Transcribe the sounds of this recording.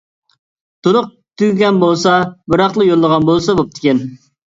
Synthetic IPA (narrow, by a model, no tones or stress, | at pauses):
t̪ʰʊɾʊq̚ | t̪ʰyɡʲɛnbolˠsɑbɨɾɑχlˠɨjolˠːəʁɑnbolˠsɑbop̚t̪ʰɪ̥kʲɛn